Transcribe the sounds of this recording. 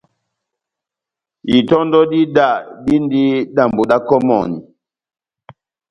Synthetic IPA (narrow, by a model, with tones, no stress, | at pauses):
i˨tɔ˦ndɔ˦di˦da˦˨di˦n˦di˦da˨mbu˨ɗa˦kɔ˦mɔ̰˨ni˨